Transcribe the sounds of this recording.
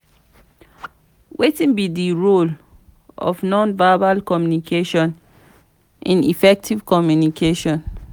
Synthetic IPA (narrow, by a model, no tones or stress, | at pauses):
wʔetĩnbidiɹol | ɔ̰vnɔ̃nvabalkɔmjunikʰeʃɔ̃n | ʔĩnḭfɛk̚tʰiv̥kɔmjunikʰeʃɔ̃n